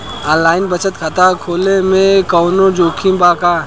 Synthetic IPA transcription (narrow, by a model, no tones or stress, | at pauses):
ãːnlaːɪnbət͡ʃət̪kʰat̪akʰoːlemẽkɔːnod͡ʒoːkʰĩmbaːka